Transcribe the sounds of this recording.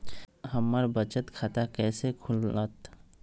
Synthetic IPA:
həmːəɾbət͡ʃət̪kʰat̪akɛːsekʰʊlət̪

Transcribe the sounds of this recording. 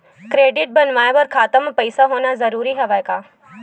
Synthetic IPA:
kɾeːɖɪʈ̚bɐnʋaːeʋɐɾkʰaːt̪əmpɐɪsaɦoːnazɐɾuːɾiɦɐʋajkaː

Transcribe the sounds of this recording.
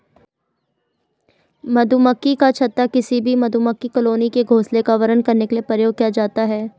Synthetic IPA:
mɐd̪ʱuməkːikat͡ʃʰɐt̪ːakɪsibʱimɐd̪ʱuməkːikəloːnikeɡʱoːslekaʋɐɾənkɐɾnekeliepɾəjoːɡ̚kijad͡ʒaːt̪aɦɛː

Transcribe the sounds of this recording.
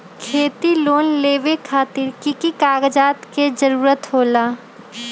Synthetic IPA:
kʰeːt̪iloːnleːʋekʰaːt̪ɪɾkikikaːɡd͡ʒaːt̪ked͡ʒəɾuːɾət̪ɦoːlaː

